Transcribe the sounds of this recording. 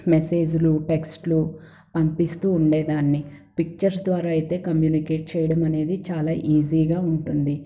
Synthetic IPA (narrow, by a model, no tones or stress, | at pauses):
mese̞ːd͡ʒuluʈeksʈlu | pɐmpist̪uːɳɖe̞ːd̪aːnːi | pik̚t͡ʃɐɾs̬d̪ʋaːɾaːɐjt̪e̞ːkɐmjuːnike̞ːʈ̚t͡ʃɛjɐɽɐmɐne̞ːd̪it͡ʃaːlaːʔiːziːɡaːuɳʈund̪i